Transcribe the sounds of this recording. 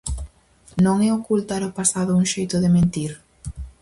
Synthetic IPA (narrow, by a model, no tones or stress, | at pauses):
nõŋɛokult̪aɾopasaðʊuŋʃejt̪ʊðɪmẽnt̪iɾ